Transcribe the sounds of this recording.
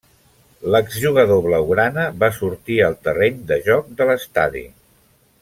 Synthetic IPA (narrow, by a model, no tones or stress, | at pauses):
ləɡzʒuɣəðoβləuɣɾanəβasuɾt̪iəlˠt̪əreɲd̪əʒɔk̚d̪ələst̪a̰ðḭ